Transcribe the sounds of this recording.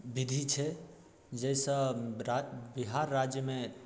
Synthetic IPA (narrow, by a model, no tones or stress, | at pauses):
bid̪ʱit͡ʃʰɛ | d͡ʒɛjsə̃ | biɦaɾːad͡ʒjəme